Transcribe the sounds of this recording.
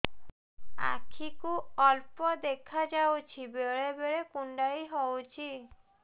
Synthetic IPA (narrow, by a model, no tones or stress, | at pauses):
a̰kʰikuɔlpɔd̪ekʰad͡ʒawt͡ʃʰibeɾebeɾekuɳɖaiɦɔwt͡ʃʰi